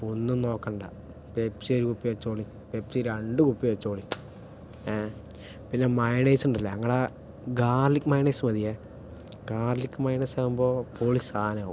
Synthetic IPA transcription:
onːɨmno̞ːkːɐɳɖa̰ | pepsioɾukupːiʋet͡ɕːoːɭi | pepsiɾɐɳɖɨkupːiʋet͡ɕːoːɭi | pinːemɐjneːsuɳɖilːɐɐŋːɐɽe | ɡaːrlikːmɐjneːsmɐðije | ɡaːrlikːɨmɐjnesaːʋumboːpoːɭisaːnau

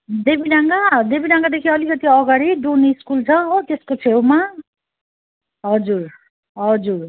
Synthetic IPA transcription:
d̪ebinaŋɡad̪ebinaŋɡad̪ekʰiʌlikʌt̪iʌɡaɽiɖuneiskult͡sʰʌ̃ot̪eskot͡sʰewma | ɦʌd͡zur | ɦʌd͡zur

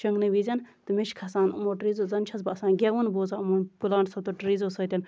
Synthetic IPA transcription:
ʃɐŋɡnɨʋizʲɐnt̪ɨmeʃkʰɐsaːnumoʈɾiːzozɐnt͡ʃʰɐzbɐɐsaːnɡʲeʋunboːzaːumonpulaːɳɖsɐt̪oʈɾiːzosɐt̪ʲɐn

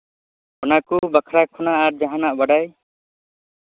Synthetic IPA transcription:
ɔnakubakʰɾakʰɔnaʔːɾd͡ʒaɦanaʔbaɖaj

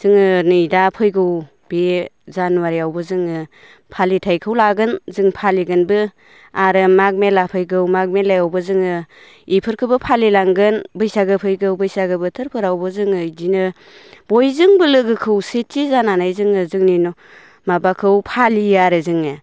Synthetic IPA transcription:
z̥ɯŋɯnɯjdapʰɯjɡɯw | b̥ezanuwaɾiawbɯzɯŋɯ | pʰalitʰajkʰɯwlaɡɯnzɯŋpʰaliɡɯnbɯ | aɾɯmak̚melapʰɯjɡɯwmaɡ̚melajawbɯzɯŋɯ | ipʰɯɾkʰɯbɯpʰalilaŋɡɯnbɯjsaɡɯpʰɯjɡɯwbɯjsaɡɯbɯtʰɯɾpʰɯɾawbɯzɯŋɯjdinɯ | bojzɯŋbɯlɯɡɯkʰɯwsetːizananajzɯŋɯzɯŋninɔ | mabakʰɯwpʰalijaɾɯzɯŋɯ

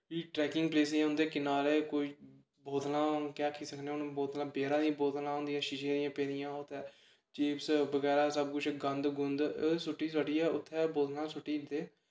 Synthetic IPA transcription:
iːʈɾɛːkɪ̃ŋɡ̚pleːsẽɦʊ̃nd̪eːkɪnaːɾeːkoiː | boːt̪lãːkɛːkʰiːsəkʰneːʊnboːt̪lãːbeːɾãːnĩːboːt̪lãːɦõːnd̪ijãːʃɪʃẽːd̪ɪjãːpeːɾɪjãːot̪ʰːɛː | t͡ʃiːpsbəɡɛːɾaːsəb̚kʊt͡ʃʰɡənd̪ɡʊnd̪sʊʈːiːsəʈiːɛːʊt̪ʰːɛːboːt̪nãːsʊʈːiːnd̪eː

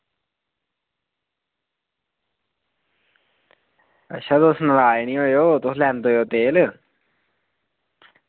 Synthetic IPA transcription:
ə̰ʃʰãːd̪osnəlaːeːnĩːɦoːeoːt̪ʊslɛːnd̪oːjoːt̪eːl

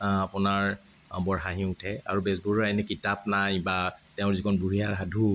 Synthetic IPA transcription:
apʊnaɹ | bɔɹɦaɦĩʊtʰɛa̰ɹubɛsbuɹɹajnɛkitap̚najbatɛʊ̃zikʰɔnbʱuɦijaɹɦadʱu

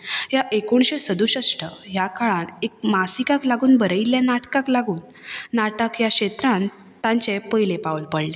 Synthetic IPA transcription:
jaʔekoɳɕesəd̪uɕəsʈəjakaɭanek̚masikaklaɡuːnbəɾəiljanaʈkaklaɡuːnː | aʈəkjakɕet̪ɾãn | t̪ãɲt͡ɕepəjlepaʋulpəɽle

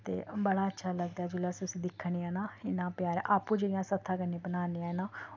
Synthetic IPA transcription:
t̪ḛːbəɽaːətːʃʰaːləɡd̪aːd͡ʒʊləsʊsiːd̪ɪkʰːɳ̃iãːnãːɪnãːpjaːɾa̰ːpũːd͡ʒeːɽɪjãːsət̪ʰːãːkənẽːbənaːniãːenãː

